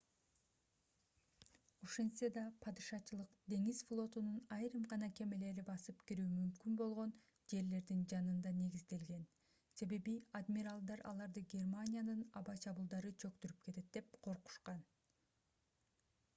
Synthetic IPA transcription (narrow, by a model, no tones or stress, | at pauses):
oʃensed̪ɑpʰɑd̪ɯʃɑt͡ʃʰɯlˠɯqd̪e̞ŋizflˠo̞t̪ununɑjɾɯmʁɑnɑke̞mele̞ɾibɑsɯpkiɾyːmymkynbo̞lˠʁo̞n | d͡ʒe̞ɾle̞ɾd̪ind͡ʒɑnɯnd̪ɑne̞ɡizd̪e̞lɡe̞n | se̞βe̞biad̪mʲiɾalˠd̪ɑɾɑ̰lˠɑɾd̪ɯɡʲe̞rmanʲijanɯnɑbɑt͡ʃʰɑβulˠd̪ɑɾɯt͡ʃʰø̞kt̪yɾyp̚ke̞t̪e̞t̪̚d̪e̞p̚qʰo̞ɾqu̥ʃqɑn